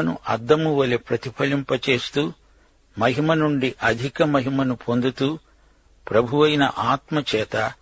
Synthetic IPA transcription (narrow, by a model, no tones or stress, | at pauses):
nṵʔɐd̪ːɐmuʋɐlepɾɐt̪ipʰɐlimpɐt͡ʃe̞ːst̪uː | mɐɦimɐnuɳɖiʔɐd̪ʱikɐmɐɦimɐnupʰo̞nd̪ut̪uː | pɾɐbʱuʋɐjnɐ̰ʔaːt̪mɐt͡ʃɛːt̪ɐ